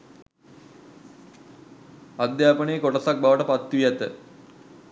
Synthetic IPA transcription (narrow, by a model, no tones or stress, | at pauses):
ɐd̪jaːpɐɳejekoʈɐsɐk̚bʱaʋɐʈəpɐt̪ːʋijat̪ːə